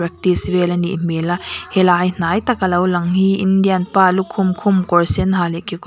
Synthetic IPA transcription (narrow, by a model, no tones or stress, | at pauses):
ɾɛk̚t̪isvɛlɐnḭʔm̥elahɛlaːjn̥aːjt̪ɐkalowlɐŋhiʔindianpaːlukʰːʊmkʰʊmkɔɹsɛnɦaːlɛkik